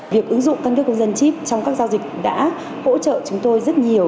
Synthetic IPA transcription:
vi˨˩əkʔɨ˨˦ŋzʊ̰˧˨ŋ͡mka˧nkkːə˧wŋ͡mzə˧nt͡ɕi˦˥p̚t͡ɕɔ˧wŋ͡mkaː˦˥k̚zaː˧wzï˨˩k̟̚ɗa̰ː˧˥ | ho̰˧˥t͡ɕə̰ː˧˨t͡ɕʊ˨˦ŋ͡mt̪o˧jzə˦˥t̚ɲi˨˩əw

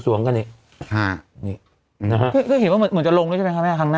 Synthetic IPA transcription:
su˨˦əŋka˧nʔi˧˨˩ʔ | a˧˩ni˧˩ | na˦˧ɦa˦˥kʰɯː˥˩kʰɯ˥˩ɦi˨˦nwa˥˩m˧˦nmɯ˩˦nt͡ɕa˨˩lo˧ŋː˧˥˩t͡ɕːpe˧nʰka˥˩mɛː˥˩kʰa˧˥ŋnaː˥

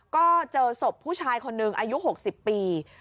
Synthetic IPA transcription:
kɔː˥˩t͡ɕɤː˧so˨˩pʰːuː˥˩t͡ɕʰaː˧jkʰo˧nːɯ˨˩ŋʔaː˧ju˦˥ɦo˨˩k̚si˨˩pːiː˧

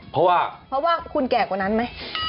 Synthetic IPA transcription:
pʰɔ˦˥waː˥˩pʰɾɔ˦˥waː˥˩kʰu˧nkɛː˨˩kwaː˨˩na˦˥nma˦˥j

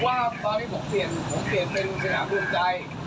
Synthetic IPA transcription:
waː˥˩t̪ɔː˧nʰiː˥˩pʰo˨˩˦ŋpi˨˩ənpʰo˩˦ŋpi˨˩ənpe˧nu˧˩sa˧na̰ː˩˦mlu˧mt͡ɕa˧j

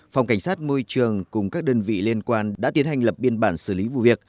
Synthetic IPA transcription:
fa˨˩wŋ͡mka˧˩jŋsaː˦˥t̚mo˧jt͡ɕɨ˨˩əŋkʊ˨˩ŋ͡mkaː˦˥k̚ɗəː˧nvḭ˧˨li˧ənkwaː˧nɗa̰ː˧˥t̪i˨˦ənha˨˩jŋ̟lə˨˩p̚ɓi˧ənɓaː˧˩nsɨ̰˧˩li˨˦vṵ˧˨vi˨˩ək̚

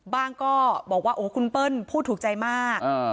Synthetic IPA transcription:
baː˥˩ŋkɔː˥˩bɔː˨˩k̚waː˥˩ʔoː˩˦kʰu˧npɤ˥˩npʰuː˥˩t̪ʰːuː˨˩k̚t͡ɕa˧jmaː˥˩k

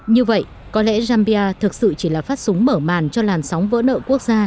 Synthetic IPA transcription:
ɲɨ˧və̰˧˨j | kɔ˨˦lɛ̰˧˥zaː˧mɓi˧aː˧t̪ʰɨ˨˩k̚sɨ̰˧˨t͡ɕi˧˩laː˨˩faː˦˥t̚sʊ˨˦ŋ͡mməː˧˩maː˨˩nt͡ɕɔ˧laː˨˩nsa˨˦wŋ͡mvə̰ː˧˥nʔə̰ː˧˨ku˦˥ək̚zaː˧

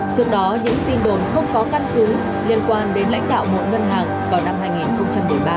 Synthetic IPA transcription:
t͡ɕɨ˦˥ək̚ɗɔ˨˦ɲɨ̰˧˥ŋt̪i˧nɗo˨˩nxə˧wŋ͡mkɔ˨˦ka˦˧nkɨ˨˦ | li˧˩ənkwaː˧˩nɗe˨˦nla̰˧˥jŋ̟ɗa̰ː˧˨wmo̰˨t̚ŋə˧nɦaː˨˩ŋ | vaː˨˩wna˧mɦaː˧jŋi˨˩nxə˧wŋ͡mt͡ɕa˧mːɨ˨˩əjɓaː˧

